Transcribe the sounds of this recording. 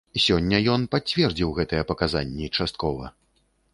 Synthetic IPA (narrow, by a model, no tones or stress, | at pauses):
sʲɔnʲːɐjɔnpat͡sʲvʲɛrd͡zʲiwɣɛt̪ɨjɛpɐkaza̰nʲːit͡ʂast̪̚kɔvɐ̰